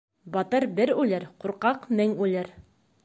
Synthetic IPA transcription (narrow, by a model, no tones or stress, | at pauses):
bɒt̪ɤɾbɘɾʉlɘɾquɾqɑqmɘŋʉlɘɾ